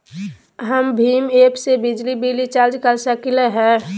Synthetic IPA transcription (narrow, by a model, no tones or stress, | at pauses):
ɦəmbʱiːmeːpsebɪd͡ʒlibilit͡ʃaːld͡ʒkəɾsəkɪleɦɛ̃ː